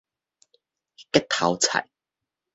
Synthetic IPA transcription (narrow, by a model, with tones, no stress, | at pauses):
kɛ˥t̪ʰɐ˨˧˥wt͡sʰɐ̰˨˩j